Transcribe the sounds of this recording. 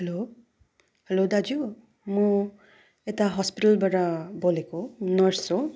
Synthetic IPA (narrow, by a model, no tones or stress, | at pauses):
helo | helod̪ad͡ʒu | mũ | etaɦɔspiʈəlbaɾabolekonʌɹso